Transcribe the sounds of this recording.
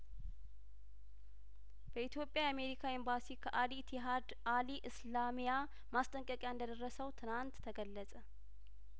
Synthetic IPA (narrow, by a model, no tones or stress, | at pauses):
b̥əit̪jo̞pʼːjaame̞ɾikʰaimbasikʰəʔalit̪ʰiɦad̪aliʔɨslamija | mast̪ʼəŋkʼəkʼjaɨnd̪əd̪ərːəsəwt̪ʰɨnant̪ːʰəɡəlːəsʼə